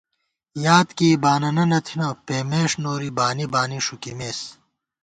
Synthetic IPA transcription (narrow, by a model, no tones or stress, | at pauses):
jaːt̪kiːbaːnɐnɐnɐt̪ʰinɐpeːmeːʂnoːɾibaːnibaːniʂukimeːs